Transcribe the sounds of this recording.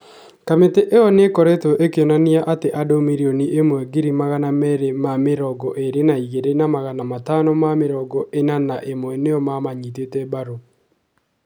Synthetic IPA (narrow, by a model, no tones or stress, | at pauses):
kameteʔeɔnekɔɾetoʔekeonaniaʔateʔadomiɾioniʔemwɛɡiɾimaɣanamɛɾemameɾɔɡɔʔeɾenaiɣeɾenamaɣanamatanɔmameɾɔɡɔʔenanaʔemwɛneɔmamaɲitetɛbaɾo